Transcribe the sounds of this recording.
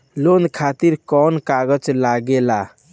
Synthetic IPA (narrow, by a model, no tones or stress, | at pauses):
lond̪kʰat̪iɾkɔnkaɡət͡ʃlaɡela